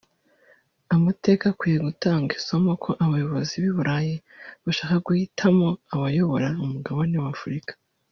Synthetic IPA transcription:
amate̞ːkakwiːjeɡutaːŋɡisomokʰo̞ʔaβajo̞βo̞ziβiβuɾʔajiβaʃaːkaɡuhitʰamo̞aβajo̞βo̞ɾaumuɡaβanewafuɾikḁ

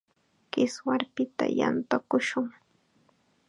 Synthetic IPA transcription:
kɪswaɾpɪt̪a̰ja̰nt̪okʊʃʊŋ

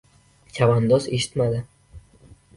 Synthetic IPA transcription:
kʲʰavand̪ɒze̞ʃɪ̥t̪mad̪ɪ

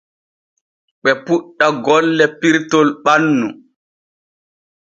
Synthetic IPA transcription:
ɓɛpuɗːaɡɔlːɛpiɾtɔlɓanːu

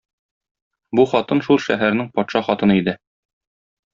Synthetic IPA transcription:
buχɒt̪ɤnʃulˠʃæ̰ɦæɾnɘŋpɒt̪ʃɑχɒt̪ɤ̆nɤid̪ɘ

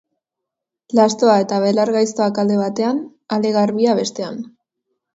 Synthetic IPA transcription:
last̪o̞ae̞t̪aβe̞laɾɣajst̪o̞akald̪e̞β̞at̪e̞an | ald̪e̞ɣarβiaβ̞e̞st̪e̞an

